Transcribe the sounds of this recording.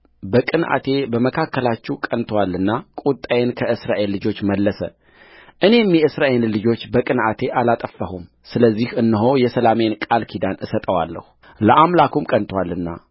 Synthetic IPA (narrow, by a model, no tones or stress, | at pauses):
bəkʼɨnʔa̰t̪ʰe̞bəməkʰakːəlat͡ʃːɛwkʼənt̪ʰwalːɨnːakʼut̪ʼajenkʰəɨsɾaʔe̞lːɨd͡ʒo̞t͡ʃːməlːəsə̰ | ʔɨne̞mjɛɨsɾaʔenlɨd͡ʒo̞t͡ʃːbəkʼɨnʔat̪ʰe̞ʔalat̪ʼəfːəhum | sɨləzːihɨnːɨɦo̞jɛsəlamenkʼalkʰid̪anɨsət̪ʼəwa̰lːə̰hu | ləʔamlakumkʼənt̪ʰwalːɨnːa̰